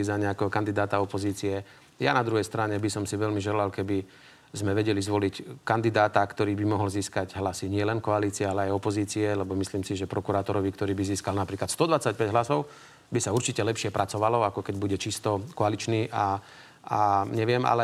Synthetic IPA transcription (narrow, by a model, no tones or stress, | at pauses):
izaɲɛakɛɦɔkand̪id̪aːt̪aɔpɔziːt͡siɛ | janad̪ɾuɦɛjst̪ɾaɲɛbisɔmsiʋɛlmiʒɛlalkɛbi | zmɛʋɛɟɛlizʋɔlickand̪id̪aːt̪akt̪ɔɾiːbimɔɦɔlziːskaɟɦlasiɲɪɛlɛnkɔaliːt͡siɛalɛajɔpɔziːt͡siɛlɛbɔmisliːmsiʒɛpɾʔɔkuɾaːt̪ɔɾɔʋikt̪ɔɾiːbiziːskalnapɾiːklat̪st̪ɔd̪ʋat͡sac̚pɛɟɦlasɔʊ | bisauɾt͡ʃicɛlɛpʃɪɛpɾʔat͡sɔʋalɔakɔkɛɟbuɟɛt͡ʃist̪ɔkɔalit͡ʃniːʔa | aɲɛʋɪɛma̰lɛ